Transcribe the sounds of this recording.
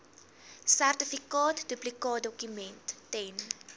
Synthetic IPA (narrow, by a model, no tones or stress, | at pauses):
særtəfikɑːtduplikɑːt̚dɔkymɛntːɛn